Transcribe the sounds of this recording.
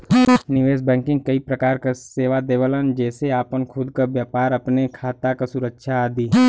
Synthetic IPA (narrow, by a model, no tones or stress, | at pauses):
nɪʋeːsbɛ̃ːŋkɪ̃ŋɡ̚kɐipɾɐkaːɾkaseːʋad̪eːʋələnd͡ʒɛːseaːpənkʰʊd̪kaʋjaːpaːɾɐpnekʰaːt̪akasʊɾəkʃʰaːd̪iː